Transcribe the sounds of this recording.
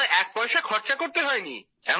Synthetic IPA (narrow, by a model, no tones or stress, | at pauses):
eʔɛk̚pɔeʃakʰɔɾt͡ɕakoɾt̪eɦɔenḭ | ɛm